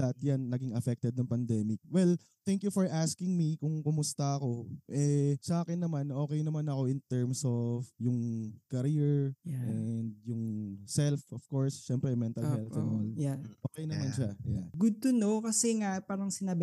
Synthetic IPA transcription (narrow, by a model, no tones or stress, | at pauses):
d̪ɐt̪̚janːɐɡiŋɐfɛk̚t̪ɛd̪̚nɐŋpɐnd̪ɛːmɪk̚wɛl | t̪ɛŋkjufɔɹʔaskɪŋmikʊŋkʊmʊst̪ɐɐko̞ʔɛsaːkɛnːɐmanʔo̞ːkɛjnɐmanɐko̞ʔɪnt̪ɛɹmsovjʊŋkɐɾiɹʔɛnd̪̚jʊŋsɛlfɔv̥koɹsʃɛmpɾɛmɛnt̪ɐlhɛlnolaʔoːkɛjnɐmanʃaja̰ɡʊd̪̚t̪ʊnokɐsɛŋapaːɾɐŋsɪnaːbɪ